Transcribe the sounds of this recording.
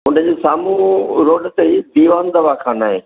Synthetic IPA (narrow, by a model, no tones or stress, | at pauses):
ʊ̃ɳɖəd͡ʑeːsaːmũɾoːɖt̪eid̪iːʋaːnd̪ɐʋakʰãːnaːɦeː